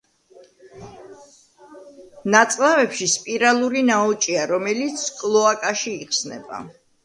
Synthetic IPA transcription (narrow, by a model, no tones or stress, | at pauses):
nat̪sʼlavɛpʃispʼiɾalˠuɾinaɔt͡ʃʼiaɾɔmɛlit̪sʰkʼlˠɔakʼaʃiːχsnɛ̰ba̰